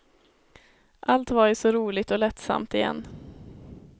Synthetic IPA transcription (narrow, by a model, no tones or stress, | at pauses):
ʔalt̪vaɾjsɔɾuːlɪɡ̚t̪ɔlɛt̪sa̰mt̪ɪjɛ̰nː